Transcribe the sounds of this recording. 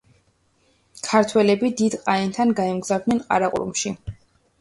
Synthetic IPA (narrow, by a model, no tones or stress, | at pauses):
kʰaɾt̪ʰwɛlɛbid̪id̪qʼaint̪ʰanɡaɛmɡzavd̪nɛnqʼa̰ɾaqʼṵɾṵmʃi